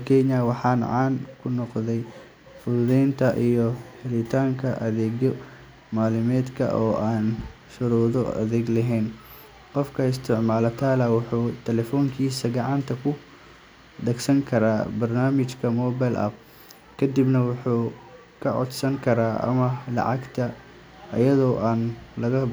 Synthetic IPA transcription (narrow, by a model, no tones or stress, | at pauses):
kʰɛɲɐwɑħɑːnʕɑːnkʰʊnɔqðɛj | fʊððɛnt̪ʰɐʔijɔhɛlɪt̪ʰaːŋkʰɐʔɐðɛːɣɔ | maːlɪmɛːd̪kʰɐ̰ʔɔːaːn | ʃʊɾuːðɔɐ̰ðɛːɡlɐɦɛːn | qɔfkʰɐɪst̪ʰɪʕmaːlɐt̪ʰaːlɐwʊħuːt̪ʰɛlɛfɔːŋkʰiːsɐɡɑʕɑnt̪ʰɐkʰʊ | d̪ɐɡsɐŋkʰɐɾaːbɐrnaːmɪt͡ʃkʰɐmɔːbajlʔɐ̰b | kʰɐd̪ibnɐwʊħuː | kʰɐʕɔ̰d̪sɐŋkʰɐɾaːʔɐ̰mɐlɑ̰ʕɑɡt̪ʰɐː | jɐðɔːʔaːnlɐɣɐ